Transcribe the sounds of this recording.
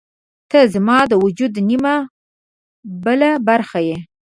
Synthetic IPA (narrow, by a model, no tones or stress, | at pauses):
t̪əzmɑd̪əwʊd͡ʒud̪nima | bəlabaɾxaje